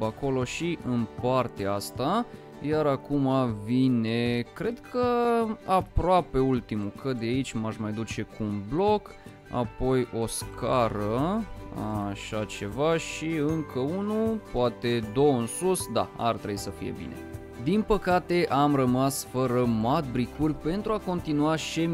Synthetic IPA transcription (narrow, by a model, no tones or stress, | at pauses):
ako̞lo̞ʃiʔɨnpart̪eaast̪a | jaɾakumavine̞kɾe̞d̪kʰəapɾoape̞ult̪imukəd̪eait͡ʃʲmaʃmajd̪ut͡ʃe̞kuːnblo̞k | a̰po̞jo̞skʰaɾə | a̰ʃat͡ʃe̞vaʃiɨŋkʰəunupoat̪e̞d̪o̞wɨnsusd̪a̰a̰rt̪ɾeisəfḭje̞̰bḭne̞̰ | d̪inpəkat̪e̞ʔamrəmasfəɾəmat̪̚bɾikurʲpe̞nt̪ɾuako̞nt̪inuaʃe